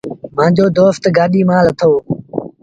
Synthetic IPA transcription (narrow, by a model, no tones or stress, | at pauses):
mãːd͡ʑoːd̪oːft̪ɡaːɗiːmãːlət̪ʰoː